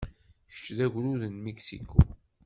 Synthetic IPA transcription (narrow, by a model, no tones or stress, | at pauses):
ʃt͡ʃːðæʝʷɾuðənmeksḭkʰṵ